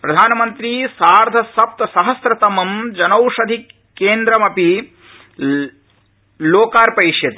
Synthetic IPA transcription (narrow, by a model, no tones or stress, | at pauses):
pɾɐd̪ʱaːnɐmɐnt̪ɾisaːɾd̪ʱɐsɐp̚t̪sɐɦɐsɾɐt̪ɐmɐmd͡ʒɐnɐwʂɐd̪ʱi | kːeːnd̪ɾɐmɐpi | loːkaːɾpɐɾiʂjɐt̪i